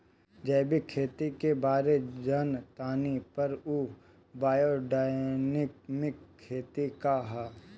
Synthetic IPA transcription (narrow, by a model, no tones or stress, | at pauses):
d͡ʒɐːbikʰːeːt̪ikebaːɾed͡ʒənt̪aːnipɐɾuː | baːjoɖaːnɪkmɪkʰːeːt̪ikaɦaː